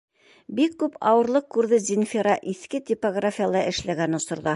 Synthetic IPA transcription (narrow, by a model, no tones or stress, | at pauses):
bikːʉpɑwɤ̆ɾlˠɤq̚kːʉɾðɘzʲɪnfʲɪɾɑʔiθkɘt̪ʲɪpoɡrafʲijalˠɑʔɘ̆ʃlæɡænŏsŏɾðɑ